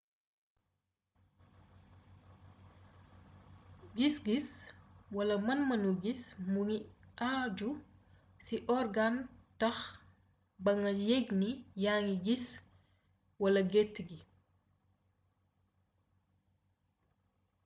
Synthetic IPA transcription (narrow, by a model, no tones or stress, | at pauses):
ɡisɡiswɐlɐmɐnmɐnuɡismuŋiʔad͡ʒu | siʔɔɾɡantɐx | bɐŋɐjeɡnijaːŋiɡis | wɐlɐɡɛtːɡi